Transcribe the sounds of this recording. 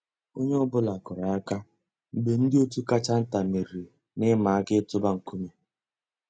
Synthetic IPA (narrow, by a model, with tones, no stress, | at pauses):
o˦ɲe˦ʊ˦bʊ˦la˨kʊ˨ɾa˨a˦ka˦ | m̩˨ɡ͡be˨n̩˦dɪ˦o˦tu˦ka˦t͡ʃa˦n̩˦ta˨me˨ɾi˨ | nɪ˦ma˨a˦ɡɪ˦tʊ˦ba˦ŋ̩˨ku˦me˨